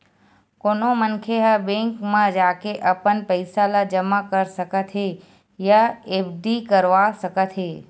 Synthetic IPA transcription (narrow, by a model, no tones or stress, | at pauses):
konomənkʰeɦabẽŋkmãd͡ʒakeʔəpənpəjsalad͡ʒəmakəɾsəkət̪ʰɦe | jaebɖikəɾʋasəkət̪ɦe